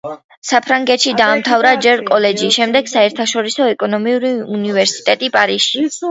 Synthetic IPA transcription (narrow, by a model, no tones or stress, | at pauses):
sapʰɾaŋɡɛt̪ʃid̪aːmt̪ʰavɾad͡ʒɛɾkʼɔlɛd͡ʒiʃɛmd̪ɛɡ̥saɛɾt̪ʰaʃɔɾisɔɛkʼɔnɔmiuɾiunivɛɾsi̥t̪ʼɛt̪ʼipʼaɾisʃi